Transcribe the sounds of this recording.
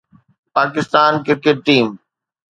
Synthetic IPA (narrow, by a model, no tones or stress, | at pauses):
paːkɪst̪aːnkɪɾkeʈːiːm